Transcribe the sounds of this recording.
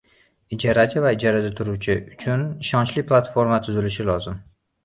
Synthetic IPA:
ɪd͡ʒaɾat͡ʃʰɪvaɪd͡ʒaɾad̪at̪ʰʊɾuwt͡ʃʰɪʊt͡ʃʰʊnɪʃɒnt͡ʃlɪpʰlˠat̪fo̞ɾmat̪ʰʊzɪlɪʃɪlɒzɪm

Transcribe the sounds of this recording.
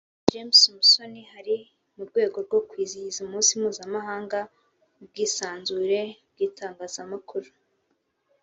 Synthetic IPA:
d͡ʒemsmuso̞nihaɾi | muɾɡwe̞ːɡo̞ɾɡo̞kwiːzizumuːnsimuːzamaɦaːŋɡa | b̚ɡiːsaːnzuɾe̞b̚ɡiːtaːŋɡaːzamakʰuɾu

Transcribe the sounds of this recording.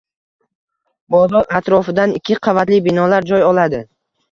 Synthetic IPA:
bɒzɒɾat̪ɾɒfɪd̪anɪkʲʰːɪqʰɑvat̪lɪbɪnɒlaɾd͡ʒɒjɒlad̪ɪ

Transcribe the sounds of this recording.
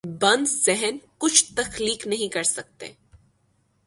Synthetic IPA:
bɐ̃nd̪zɛɦɛnkʊt͡ʃʰt̪ɐxliːknɐɦĩkɐɾsɐk̚t̪ḛː

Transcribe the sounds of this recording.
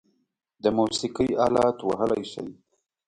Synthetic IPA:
d̪əmusɪkəjɑlɑt̪waɦəlajʃa̰j

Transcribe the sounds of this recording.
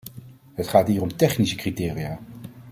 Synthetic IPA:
ɦətχaːtɦiːrɔmtɛχnisəkritɪːrijaː

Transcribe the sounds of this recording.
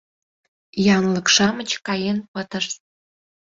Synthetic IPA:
jɑnləkʃɑmət͡ɕkɑjenpət̪əʃ̚

